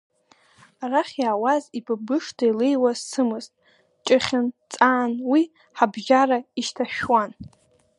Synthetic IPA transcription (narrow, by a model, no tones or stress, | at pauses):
araχʲjaːwazibʰabɨʂtʰailejwazsɨmɨztʼ | t͡ʃʼɨχʲɪnt͡sʼaːnwi | ħabʒaraiʃtʰaʃᶣwan